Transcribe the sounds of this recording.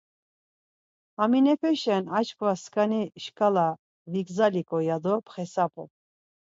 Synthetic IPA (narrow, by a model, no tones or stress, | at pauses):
aminɛpʰɛʃɛnat͡ʃkʰʼvaskʼaniʃkʼala | vikzalikʼɔjad̪ɔpʰχɛsapʼɔ